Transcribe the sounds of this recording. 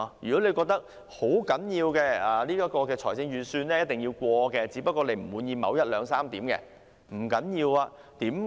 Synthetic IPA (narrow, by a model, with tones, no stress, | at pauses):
jyː˨˩kɔ˨˥le˨˧jkɔː˧k̚t̪ɐ˥k̚ | ho˨˥wkɐ˨˥njiː˧wkɛː˧aː˨liː˥ka˥kɔː˧kɛː˧t͡ʃʰɔː˨˩t͡sɪ˧ŋjyː˨˧syː˧nlɛː˥˦jɐ˥t̚t̪ɪ˨ŋjiː˧wkʷɔː˧kɛː˧t͡siː˨˥pɐ˥t̚kːɔː˧le˨˧jm̩˨˩wuː˨˧njiː˧mɐ̰˨˧wjɐ˥t̚lœː˨˧ŋsaː˥mt̪iː˨˥mkɛ̰ː˧ | m̩˨˩kɐ˨˥njiː˧waː˧ | t̪iː˨˥m